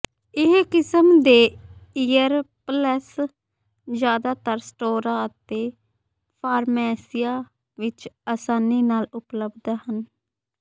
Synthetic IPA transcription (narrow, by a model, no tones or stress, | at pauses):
ɪɦkɪsəmd̪eːiːjəɾpləs | zjaːd̪aːt̪əɾsʈoːɾaːət̪eː | pʰaːɾmɛːsɪjaː | ʋɪt͡ʃaːsaːniːnaːlʊpləbd̪hən